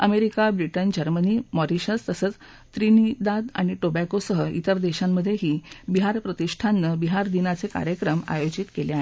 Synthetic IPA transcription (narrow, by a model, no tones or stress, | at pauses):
əmeɾikabɾiʈənd͡ʑəɾməniːmɔɾiɕət͡st̪əsəːt͡s | t̪ɾinid̪ad̪a̰ɽ̃iʈobakosəɦəʔḭt̪əɾd̪eɕamːəd̪ʱːjeɦiːbiɦaɾpɾət̪iʂʈʰanːəbiɦaɾd̪inat͡seka̰ɾjəkɾəma̰jod͡ʑit̪keleaɦe